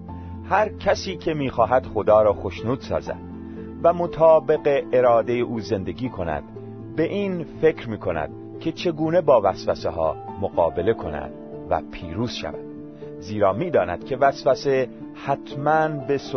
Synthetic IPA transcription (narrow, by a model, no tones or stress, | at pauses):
hæɾcʰæsiːcʲʰe̞miːxɒːɦæd̪̥xo̞d̪ɒːɾɒːxo̞ʃnuːd̪̥sɒ̰ːzæ̰d̪̥̚ | væmo̞t̪ʰɒːbe̞ɣe̞ʔːɾɒːd̪e̞jeʔuːze̞nd̪e̞ɡiːkʰo̞næ̰d̪̥ | be̞ʔiːnfe̞kɾmiːkʰo̞næ̰d̪̥̚ | cʰe̞t͡ʃʰe̞ɡuːne̞bɒːvæsvæseɦɒ̰ːmoɣɒ̰ːbe̞le̞kʰo̞næ̰d̪̥ | væ̰pʰiːɾuːz̥ʃæ̰væ̰d̪̥ | ziːɾɒːmiːd̪ɒːnæ̰d̪̥̚kʰe̞væsvæse | hæt̪ʰmænbe̞s